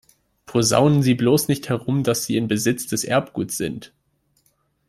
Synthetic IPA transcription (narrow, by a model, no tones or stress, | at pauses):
pʰoza̰ʊnənziːbloːsnɪçthɛʁʊmdasz̥iːɪnbəzɪt͡sd̥ɛsʔɛ̰ɐp̚ɡ̥ṵːtsz̥ɪnt